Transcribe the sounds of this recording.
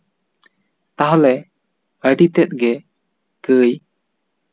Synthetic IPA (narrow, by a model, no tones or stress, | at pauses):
t̪aɦalɛ | əɖit̪ɛt̪̚ɡɛ | kəj